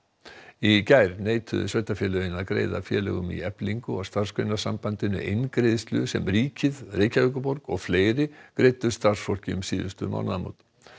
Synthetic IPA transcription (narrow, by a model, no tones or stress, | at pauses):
icajɾneːjt̪ʰʏ̰svœɥt̪afjɛlœɣɪnaðkɾḛːjða̰fjɛːlɛ̰ɣʏmḭɛpliŋkʏawst̪aɾ̥skʰɾœnasampant̪ɪnʏ̰ʔejnkɾejðɪst̪lʏsɛ̰mriːcɪðrejcaœkʏpɔɾkɔɣfleːjɾɪkɾeːjt̪ʏ̥st̪aɾ̥sfol̥cɪʏmsiːðʏ̰st̪ʏma̰wnaðmo̰wt̪